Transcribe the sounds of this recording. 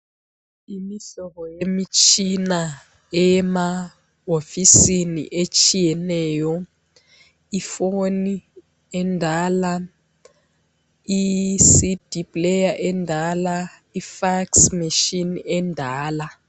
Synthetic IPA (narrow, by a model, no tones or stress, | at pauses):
imiɬɔkɔjemit͡ʃʼʰina | ɛma | ofisinḭʔet͡ʃʰʼijɛnɛːjɔ | ifoni | ɛndʱaːla | isid̥ʱipʼlejaʔɛndʱalaifaksmiʃinɛndʱaːla